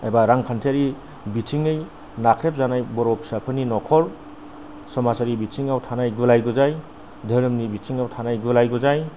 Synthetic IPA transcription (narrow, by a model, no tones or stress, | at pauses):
ajbaɾaŋkʰantʰaɾi | bitʰiŋɯj | nakʰɾep̚zanajbɔɾɔpʰsapʰɯninɔkʰɔɾ | sɔmasaɾibitʰiŋawtʰanajɡulajɡuzaj | dʱəɾɯmnibitʰiŋawtʰanajɡulajɡuzaj